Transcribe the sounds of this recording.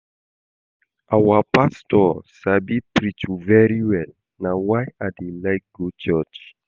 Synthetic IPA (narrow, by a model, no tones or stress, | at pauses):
ʔawapastɔʃabipɹit͡ʃuvɛɹiwɛl | nawajadelaɪk̚ɡ̥ot͡ʃɔt͡ʃ